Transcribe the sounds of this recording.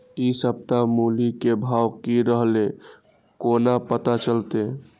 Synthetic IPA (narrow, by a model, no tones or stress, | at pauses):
isəb̚t̪amulikebʱawkiɾəɦle | konapət̪at͡ʃəlt̪e